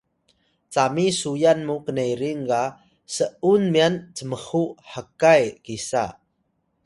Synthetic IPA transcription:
t͡samisujanmukənejɾiŋka | səʔunmiant͡səməhuħəkajkisa̰

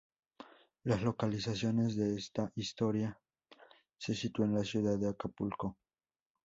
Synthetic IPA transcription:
laslo̞kalisasjo̞ne̞zðe̞est̪aʔist̪o̞ɾja | se̞sit̪uenlasjuðaðeakapulko

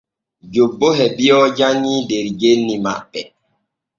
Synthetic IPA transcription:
d͡ʒobːoɦɛbijɔd͡ʒaɲideɾɡelnima̰ɓɛ

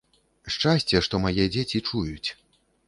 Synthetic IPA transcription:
ʂt͡ʂasʲt͡sʲɛʂt̪ɔmajɛd͡zʲet͡sʲit͡ʂujut͡sʲ

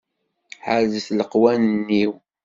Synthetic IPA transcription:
ħəɾzəθləqwænənːiw

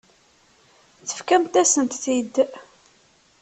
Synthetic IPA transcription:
θə̥fkæmt̪æsənt̪θid̪

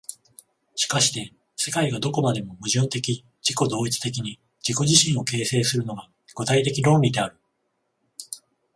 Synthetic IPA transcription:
ɕi̥kaɕi̥t̪e̞ | se̞kaiɡad̪o̞ko̞mad̪e̞mo̞mɯ̟ʑɯ̃nt̪e̞kʲi | d͡ʑiko̞d̪o̞ːit͡sɨ̥t̪e̞kʲiɲ̟i | d͡ʑiko̞ʑiɕĩɰ̃o̞ke̞ːse̞ːsɨɾɯ̟no̞ɡa | ɡ̥ɯ̟t̪ait̪e̞kʲiɾõ̞ːmɾʲid̪e̞aɾɯ̟

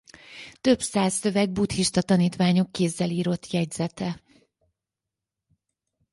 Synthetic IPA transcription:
t̪ø̞bsaːsːø̞vɛɡ̚but̪hiʃt̪ɒt̪ɒniːt̪ʋaːɲo̞kːeːzːɛliːɾo̞t̪jɛɟz̥ɛt̪ɛ

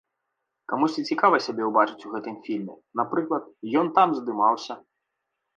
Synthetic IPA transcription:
kamusʲt͡sʲit͡sʲikavɐsʲabʲɛwbat͡ʂɨt͡sʲuɣɛt̪ɨmfʲilʲmʲɛ | napɾɨklˠɐt̪̚jɔnt̪amzd̪ɨmawsʲɐ

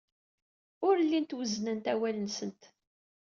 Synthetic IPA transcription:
ʊɾlːint̪wəznənt̪æwælənsənt̪

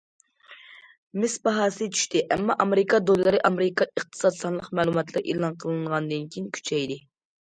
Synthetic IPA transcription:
mɪsbɑɦɑːsɨɨt͡ʃʰy̥ʃt̪ɪʔɛmːɑʔɑmeɾɪkʰɑd̪olˠɨlˠɨɾɨʔɑmeɾɨkʰɑəχt̪ʰɨ̥sɑd̪sɑnlˠəqmɛːlˠumɑt̪lˠɨɾʔeːlˠɑnqʰəlˠɨnʁɑnd̪ɨnkʲʰijinkʲʰy̥t͡ʃʰɛjd̪ɪ

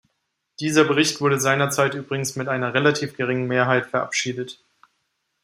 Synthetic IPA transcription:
d̥iːzɐbəʁ̞ɪçtv̥ʊɐdəzaɪnɐt͡saɪtʔyːbʁɪɡŋ̩smɪtʔaɪnɐʁelatʰiːfɡ̥əʁ̞ɪŋənmeːɐɦaɪtfɛɐʔa̰pʃiːdət

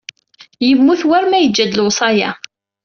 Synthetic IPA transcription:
jəmːuθwæɾmæjəd͡ʒːæd̪əlwsˤɑjæ̰

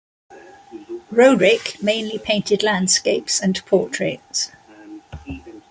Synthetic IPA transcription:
ɹəʊdɹɪkmẽɪ̃nlipʰẽɪ̃ntɪdlãnd̥skeɪpsə̃npʰɔˑtʰɹ̥eɪts

